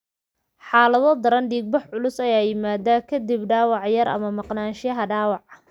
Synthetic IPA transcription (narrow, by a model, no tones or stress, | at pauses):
ħɑːlɐðɔd̪ɐɾɐnɖiːɡ̚bɐħʕʊlʊsɐjaːjɪmaːd̪aːkʰɐd̪ibɖɑːwɑʕjɐɾɐ̰mɐmɑqnaːnʃɪjɐɦɐɖaːwɑʕ